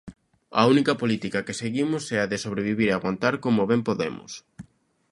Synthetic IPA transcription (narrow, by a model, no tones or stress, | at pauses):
ɐ̰unikɐpolit̪ikɐkeseɣimʊsɛɐðɪsoβ̞ɾeβiβiɾeaɣwant̪aɾkomoβɛmpoðemʊ̰s